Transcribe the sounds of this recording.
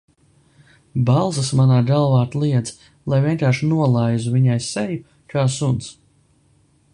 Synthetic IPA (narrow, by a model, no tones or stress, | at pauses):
balˠzasmanaːd̪alˠvaːt̪lˠiɛd̪z | lˠajviɛnkaːɾʃinuɔlˠajzuviɲajsɛju | kaːsuns